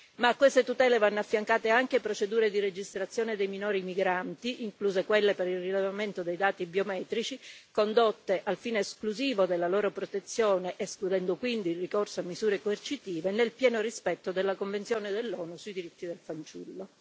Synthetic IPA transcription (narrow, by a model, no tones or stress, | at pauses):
maːkːwest̪et̪ut̪ɛːlevanːoafːjaŋkaːt̪eaŋkepɾot͡ʃed̪uːɾed̪ired͡ʒist̪ɾat̪sːjoːned̪ejminoːɾimiɡɾant̪iʔiŋkluːzekwelːepeɾilrilevament̪od̪ejd̪aːt̪ibiomɛːt̪ɾit͡ʃikond̪ot̪ːeʔalfiːneːskluziːvod̪elːaloːɾopɾot̪et̪sːjoːneʔesklud̪ɛnd̪okwind̪iːlrikorsoamːizuːɾekoert͡ʃit̪iːvenelpjɛːnorispɛt̪ːod̪elːakoɱvent̪sjoːned̪elːɔːnusujd̪iɾit̪ːid̪elfant͡ʃṵlːo